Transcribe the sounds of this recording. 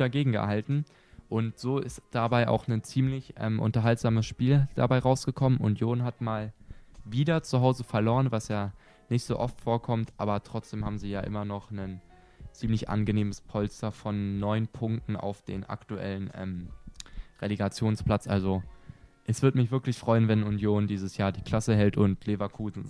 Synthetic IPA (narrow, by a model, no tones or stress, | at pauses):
aɡeːɡŋ̩ɡə̰haltn̩ | ʔʊntz̥oːɪstd̥abaɪʔa̰ʊxnənt͡siːmlɪçʔɛ̰ːmʔʊ̰ntɐɦaltz̥aːməsʃpiːld̥a̰baɪʁaʊsɡ̥əkʰɔmənʔʊ̰ntʰjoːnɦatmaːlviːdɐt͡suɦaʊzəfɛɐloːʁənvasjaː | nɪçtz̥o̰ːʔɔftfoːɐkʰɔmtʔa̰ːbɐtʁ̥ɔt͡sd̥eːmhaːbm̩ziːjaːʔɪ̰mɐnɔχnən | t͡siːmlɪçʔa̰nɡəneːməspʰɔlstɐfɔnːɔʏnpʰʊŋk̚tn̩ʔa̰ʊfd̥eːnʔa̰ktuʔɛ̰lənʔɛ̰ːm | ʁeleɡat͡sjoːnspl̥at͡sʔalzoʔɛsv̥ɪɐtmɪçv̥ɪɐklɪçfʁ̥ɔʏənvɛnʊnjoːndiːzəsjaːɐdiːkʰl̥asəɦɛltʊntlevakʰuːzn̩